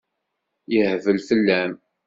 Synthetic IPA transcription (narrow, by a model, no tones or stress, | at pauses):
jəhvəlfəlːæm